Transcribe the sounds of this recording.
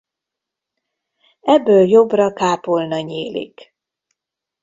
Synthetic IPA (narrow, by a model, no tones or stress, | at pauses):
ɛbːøːljo̞brɒkaːpolnɒɲeːlḭk